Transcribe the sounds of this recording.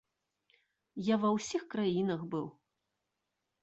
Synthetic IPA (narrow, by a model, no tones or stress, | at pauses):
javɐwsʲixkɾajinɐxbɨw